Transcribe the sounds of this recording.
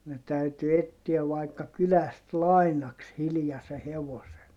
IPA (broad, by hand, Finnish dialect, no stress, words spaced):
ne tæyty etːiæʋ ʋɑikːɑ kylæst lɑinɑks hilĭjɑse heʋosen